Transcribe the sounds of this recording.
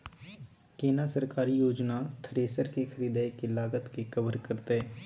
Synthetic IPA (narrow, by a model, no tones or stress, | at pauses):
keːnasəɾkaːɾijoːd͡ʒnat̪ʰəɾeːsəɾkexʰəɾiːd̪aːkelaːɡət̪kekəbəɾkɐɾt̪eɦɛː